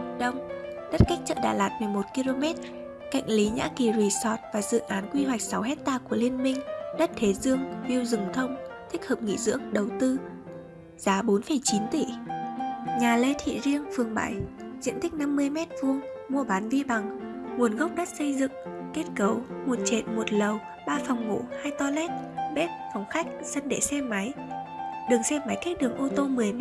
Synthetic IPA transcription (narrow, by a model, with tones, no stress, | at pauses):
ɗə˧wŋ͡mɗə˦˥t̚ka˦˥jk̟̚t͡ɕə̰ː˧˨ɗa̰ː˧˩laː˨˩t̚mɨ˨˩əjmo˨˩t̚ki˧lo˧mɛ˦˥t̚ | ka̰˧˨jŋ̟li˨˦ɲa̰ː˧˥ki˨˩zwi˨˩sɔ˨˩t̚vaː˨˩zɨ̰˧˨ʔaː˨˦nkwi˧ɦwa˨˩jk̟̚sa˨˦wɦɛ˦˥t̚t̪aː˧ku˧˩əli˧ənmï˧ŋ̟ɗə˦˥t̚t̪ʰe˨˦zɨ˧əŋvi˧əwzɨ˨˩ŋ͡mt̪ʰə˧wŋ͡mt̪ʰï˦˥k̟̚həː˨˩p̚ŋḭ˧˥zɨ̰˧˥əŋɗə˨˩wt̪ɨ˧ | z̥aː˨˦ɓo˨˦nfə˧˩jt͡ɕi˨˦nt̪i˧˩ | ɲaː˨˩le˧t̪ʰḭ˧˨zi˧əŋfɨ˨˩əŋɓa̰ː˧˩jzḭ˧˨ənt̪ï˦˥k̚na˧mːɨ˧əjmɛ˦˥t̚vu˧əŋ | mu˧əɓaː˨˦nvi˧ɓa˨˩ŋŋu˨˩ənɣə˦˥wk͡p̚ɗə˦˥t̚sə˧jzɨ̰˧˨ŋke˦˥t̚kə˨˦wmo˨˩t̚t͡ɕḛ˧˨nmo˨˩t̚lə˨˩w | ɓaː˧fa˨˩wŋ͡mmo̰˧˩haː˧jt̪ɔ˧lɛ˦˥t̚ɓɛ˦˥t̚fɔ˨˩wŋ͡mxa˦˥jk̟̚sə˧nɗe˧˩sɛ˧ma˨˦j | ɗɨ˨˩əŋsɛ˧ma˨˦jka˦˥k̚ɗɨ˨˩əŋʔo˧t̪o˧mɨ˨˩əjm˦